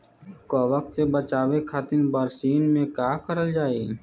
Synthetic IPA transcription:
kaːʋək̚t̪sebət͡ʃaːʋekʰat̪ɪnbaːɾsiːnmẽkaːkəɾəld͡ʒaːiː

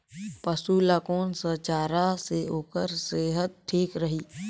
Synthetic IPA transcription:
pəsuːlaːkoːnsət͡ʃaːɾaseoːkəɾseːɦət̪̚ʈʰːiːkɾəɦiː

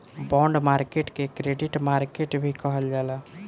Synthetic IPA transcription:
bɔ̃ɳɖmaɾkeʈkekɾeɖiʈmaɾkeʈbʱikəɦəld͡ʒala

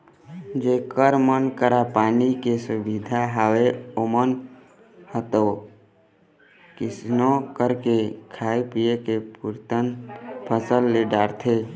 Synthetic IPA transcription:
d͡ʒeːkəɾmənkəɾapaːnikesʊbid̪ʱaɦaweomən | hət̪oː | kɪsnõkəɾkekʰaːepiekepuɾt̪ənpʰəsəlːeɖaːɾt̪ʰe

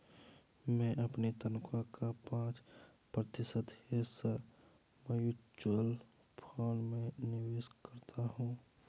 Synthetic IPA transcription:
mɛ̃ʔɐpnit̪ənʊkʰakʰapãːt͡ʃ | pɾət̪ɪsəd̪hesə | məjʊt͡ʃəl | pʰɔːnmẽnɪʋeːskɐɾt̪ʰaɦũː

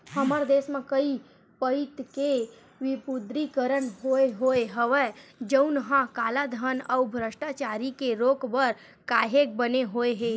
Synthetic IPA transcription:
həməɾd̪eːsmẽkəi | pəɪt̪ke | ʋɪpʊd̪ɾikəɾənɦoeɦoeɦəʋed͡ʒəʊnɦãkaːlad̪ʱəɦənəʊbʱɾəʃʈat͡ʃaːɾikeɾoːkbəɾ | kaːɦek̚bəneɦoeɦe

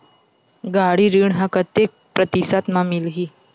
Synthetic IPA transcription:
ɡaɽiɾiɳɦakət̪ːek̚pɾət̪isat̪mamilɦiː

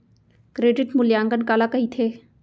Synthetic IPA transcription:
kɾeːɖɪʈmʊljãːŋɡənkaːlakɐɦit̪ʰeː

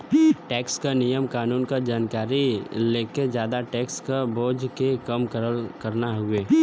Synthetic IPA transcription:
ʈɛːkskanijəmkaːnuːnkad͡ʒaːnkaːɾileːked͡ʒjaːd̪aʈɛːkskaboːd͡ʒkekɐmkəɾəlkɐɾnaɦʊeː

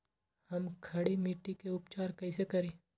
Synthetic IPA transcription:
hɐmkʰɐɽimiːʈikeʊpt͡ʃaːɾkɐisekɐɾĩː

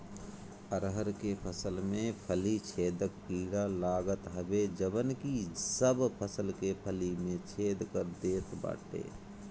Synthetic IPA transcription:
əɾɦəɾkepʰəsəlmẽpʰəlit͡ʃʰeːd̪əkpiːɽalaːɡət̪ɦəbed͡ʒəbənkisəbpʰəsəlkepʰəlimẽt͡ʃʰeːd̪kəɾd̪eːt̪ba̰ːʈʰḛː

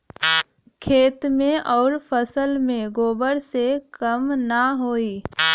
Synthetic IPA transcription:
kʰeːt̪mẽʔɔːɾpʰəsəlmẽɡoːbəɾsekəmnaɦoːiː

